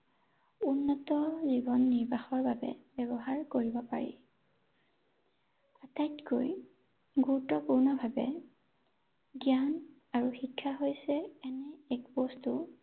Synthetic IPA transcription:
unːɔtɔzibɔnːiɹbʱaxɔɹbabɛ̰bɛbɔɦaɹkoɹibɔpa̰ɹḭ | atajtkoj | ɡuɹutːɔpuɹnɔbʱabɛ̰ | ɡjan | aɹuxikʰːaɦojsɛɛnɛɛkpɔstu

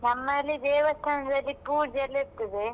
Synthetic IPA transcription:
nɐmːɐlːid̪ɛːʋɐst̪ɐnɐd̪ɐlːipuːɾd͡ʒɐlːeɾt̪ːɐd̪e

